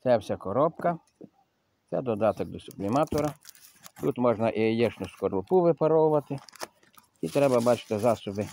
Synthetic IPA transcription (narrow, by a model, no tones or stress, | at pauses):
t̪sɛwsʲakɔɾɔpkɐ | t̪sɛd̪ɔd̪ɑt̪ɔɡ̚d̪ɔsʊblʲɪmɑt̪ɔɾɐ | t̪ut̪mɔʒnɐʔijɛʃnʊskɔɾlˠʊpuʋɪpɐɾɔwʊʋɐt̪ɪ | it̪ɾɛbɐbɑt͡ʃɪ̥t̪ɪzɑsɔbɪ